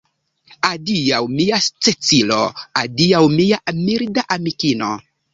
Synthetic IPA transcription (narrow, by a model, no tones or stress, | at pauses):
adiawmiast͡set͡silo̰adiawmijaʔmiɾdaʔamikino̰